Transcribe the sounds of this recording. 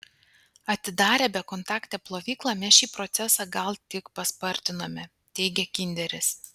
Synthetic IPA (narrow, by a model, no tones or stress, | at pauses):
ɐt̪ʲɪd̪ɑːɾʲɛːbʲɛkɔnt̪ɑːkt̪ʲɛːplˠoːʋʲiːklˠɑmʲɛsʃʲiːpɾɔt̪sʲɛsɑːɡɐlˠt̪ʲɪkpɐspɐɾʲt̪ʲɪnoːmʲɛ | t̪ʲɛɪɡʲɛkʲɪnʲd̪ʲɛɾʲɪs